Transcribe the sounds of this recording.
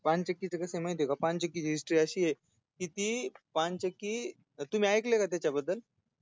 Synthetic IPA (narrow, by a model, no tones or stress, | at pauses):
pãnt͡ɕəkːit͡sekəseməjt̪jokapãnt͡ɕəkːit͡ɕiɦisʈɾiːəɕiːje | kit̪iːpãt͡ɕəkːiː | t̪um̤iːajklekat̪jat͡ɕabəd̪ːəl